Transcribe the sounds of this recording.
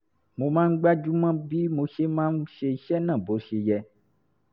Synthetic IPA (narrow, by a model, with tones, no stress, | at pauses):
mõ˨mã˦ŋ̩˦ɡ͡ba˦d͡ʒu˦mã˦bi˦mõ˨˦ʃe˦mã˦m˦ʃe˨ʃɛ˦nã˦˨bo˨˦ʃe˨jɛ˨